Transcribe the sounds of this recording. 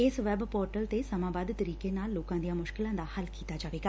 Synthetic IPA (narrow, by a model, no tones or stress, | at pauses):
ɪsʋɛːbpɔːɾʈəlt̪eːsəmãːbaːd̪t̪əɾiːkeːnaːlːoːkãːd̪ijãːmʊʃkɪlãːd̪aːhəlkiːt̪aːd͡ʒaːʋeːɡaː